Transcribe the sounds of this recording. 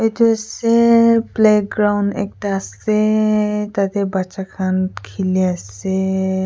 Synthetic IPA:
ejt̪uasepleɡɾawnɛ̰k̚ʈaːset̪at̪ebat͡ʃakʰankʰiliase

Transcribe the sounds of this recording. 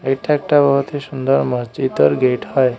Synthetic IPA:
eʈʰɛk̚ʈabəɦt̪ʰisund̪əɾmət͡ɕit̪əɾɡeʈhəj

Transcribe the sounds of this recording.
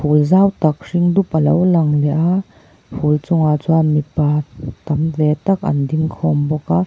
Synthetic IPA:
pʰulzawt̪ɐk̚riŋd̪up̚ʔɐlowlɐŋlɛʔa | pʰult͡sɔŋat͡suamipat̪ɐmtɛt̪ɐkɐ̰nd̪iŋkʰɔmbɔka

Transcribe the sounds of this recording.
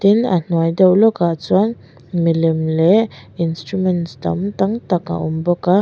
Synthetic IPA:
t̪ina̰n̥wajd̪əwlokat͡sɔn | milimleinstɾumɛnsd̪a̰mt̪aŋt̪aka̰ʔumbɔka

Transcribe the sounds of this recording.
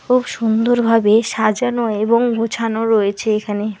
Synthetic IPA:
kʰubʃund̪oɾbʱabeʃad͡ʑanoeboŋɡot͡ɕʰanoɾɔjet͡ɕʰeekʰane

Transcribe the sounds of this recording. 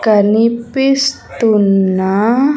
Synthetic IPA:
kanipist̪una

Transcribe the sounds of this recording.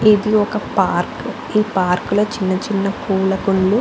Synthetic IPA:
ed̪iɔkɐpaːɾk | iːpaːɾkulɐt͡ʃinːɐt͡ʃinːɐkuːlɐkuɳlu

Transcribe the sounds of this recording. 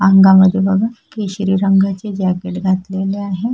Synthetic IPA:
aŋɡaməd̪ʱːjebəɡʱəkeɕɾiɾəŋɡʱat͡sed͡ʑaɡeʈɡʱat̪leleaɦe

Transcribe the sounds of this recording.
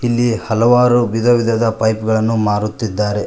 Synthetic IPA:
ilːihɐlɐʋaːɾubid̪ɐʋid̪ʱɐd̪ɐpɐjpɡɐɭɐnːumaːɾut̪ːid̪ːaːɾe̞

